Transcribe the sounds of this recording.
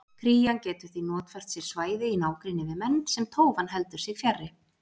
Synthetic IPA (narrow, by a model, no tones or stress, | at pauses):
kʰɾiːjancɛːt̪ʏɾ̥θinɔːt̪fɛr̥t̪sjɛɾ̥svaːjðɪinaːwkɾinːɪvɪðmɛnːsɛmt̪ʰoːwvanɦɛlt̪ʏɾsɪɣfjarːɪ